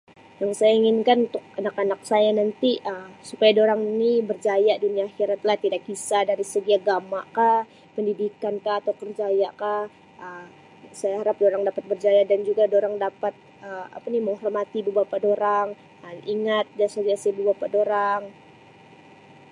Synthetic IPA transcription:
jaŋsajaiŋɪnkanunt̪ʊk̚anakanak̚sajanant̪iʔəmsupajadoɾaŋnibərd͡ʒajaʔduniaːhiɾat̪lat̪idak̚bisadaɾisəɡiaɡamaʔkah | pəndidikankaːt̪awkərd͡ʒajaʔka | ʔə | sajaɦaɾap̚doɾaŋdapat̪̚bərd͡ʒajadand͡ʒuɡadoɾaŋdapat̪̚ | əa̰paniməŋɦɔrmat̪ibəbapadoɾaŋ | əmiŋat̪̚d͡ʒasaɡiasibəbapadoɾaŋ

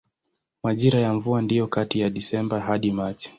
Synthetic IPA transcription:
maʄiɾajaɱvuandijɔkatijaɗisɛmbaɦaɗimat͡ʃi̥

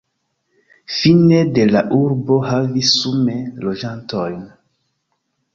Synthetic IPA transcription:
finede̞laʔuɾbo̞ɦavisumelod͡ʒantojn

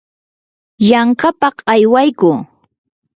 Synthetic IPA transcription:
jaɴkapɑqajwajkʊː

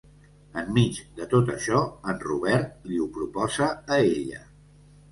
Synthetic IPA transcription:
əmːid͡ʒd̪ət̪ot̪ə̰ʃɔənruβ̞ɛɾt̪̚liupɾupɔzəːeʎə̰

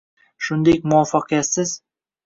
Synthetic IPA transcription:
ʃund̪ek̚mʊwɑfɑqjæt̪sɪz̥

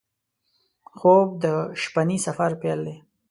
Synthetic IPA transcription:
xob̚d̪əʃpanisafaɾpeld̪e

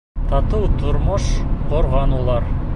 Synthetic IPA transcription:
t̪ɑt̪ɤwt̪ŏɾmoʃqŏɾʁɑnulˠɑɾ

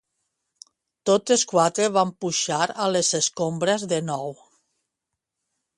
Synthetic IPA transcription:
t̪oteskwat̪ɾeβampuʃaɾalezeskombɾezðenɔw

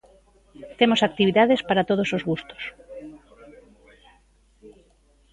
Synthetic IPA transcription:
t̪emosak̚t̪iβ̞iðaðespaɾat̪oð̞osozɣust̪o̥s

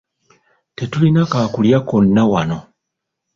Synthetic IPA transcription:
tetulinakaːkuljakonːawano̞

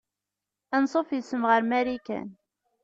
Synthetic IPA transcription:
ænsˤofjəsəmʁəɾmæɾikæ̰n

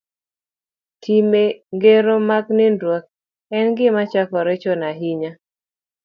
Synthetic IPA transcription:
tʰimeŋɡeɾomaknɪndwak̚ | ɛnɡɪmat͡ʃakɔɾɛt͡ʃɔnaɦiɲa

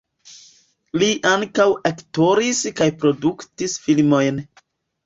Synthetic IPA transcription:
liʔaŋkawekto̞ɾiskajpɾo̞duktisfilmo̞jn

